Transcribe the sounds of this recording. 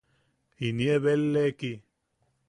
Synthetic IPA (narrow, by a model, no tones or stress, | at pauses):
inieβelːeki